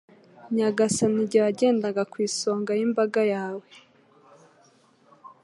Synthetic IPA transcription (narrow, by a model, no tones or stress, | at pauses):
ɲaɡasaniɟawaɟe̞ːndaɡakwiːso̞ːŋɡajimbaɡajaːwe